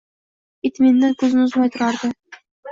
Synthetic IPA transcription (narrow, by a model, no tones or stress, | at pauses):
it̪minːɪŋkʲʰɵznɪʊzmɑjt̪ʰuɾɑɾd̪ɨ